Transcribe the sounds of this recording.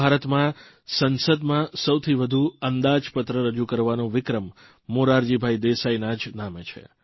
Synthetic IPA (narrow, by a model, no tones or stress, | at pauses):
aɾət̪mã | sənsəd̪mãsəwt̪ʰiʋəd̪ʱuənd̪ad͡ʒpət̪ɾəɾəd͡ʒukəɾʋanõʋɪkɾəmː | oɾaɾd͡ʒibʱaid̪esainad͡ʒnamet͡ʃʰḛ